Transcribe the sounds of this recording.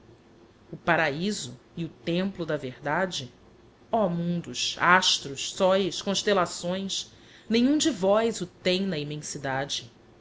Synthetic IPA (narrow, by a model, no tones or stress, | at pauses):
ʊpaɾaizʊ | ɪʊt̪ẽmplʊd̪ɐvehd̪ad͡ʒɪ | ɔmũnd̪ʊʃaʃt̪ɾʊʃssɔjskõʃt̪elasõj̃s | nẽɲ̃ũd͡ʒɪvɔjzʊt̪ẽj̃nɐimẽsid̪ad͡ʒɪ